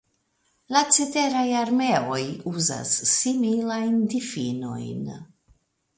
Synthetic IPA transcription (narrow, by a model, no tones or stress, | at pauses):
lat͡sete̞ɾajaɾme̞o̞juza̰sːimilajndifḭno̞̰jn